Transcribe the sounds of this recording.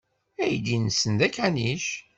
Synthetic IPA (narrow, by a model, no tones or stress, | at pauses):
æjd̪inəsənd̪ækæniʃ